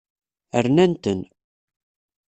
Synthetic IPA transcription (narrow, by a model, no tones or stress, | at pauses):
əɾnænt̪ən